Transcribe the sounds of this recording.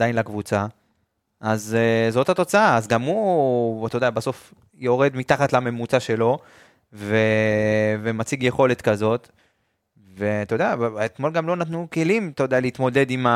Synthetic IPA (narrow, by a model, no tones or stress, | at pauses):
dajnlakvut͡sa | ʔazzo̞that̪o̞t͡saaːzɡamut̪od̪abaso̞f | jo̞ʁe̞d̪mit̪aχat̪lame̞mut͡saʃe̞lo̞ | ve | vemat͡siɡjeχo̞le̞t̪kazo̞t̪ | ve̞t̪od̪eaet̪mo̞lɡamlo̞nat̪nukelimt̪ood̪ealeit̪mo̞de̞d̪ima